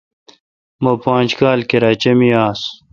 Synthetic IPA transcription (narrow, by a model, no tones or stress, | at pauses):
mopãːnd͡ʑkaːlkeɾaːt͡ɕemiaːs